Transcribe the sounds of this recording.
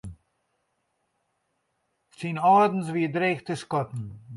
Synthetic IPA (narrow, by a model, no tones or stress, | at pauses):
t͡sinɔːd̪n̩sviːdɾeːxt̪əskɔt̪n̩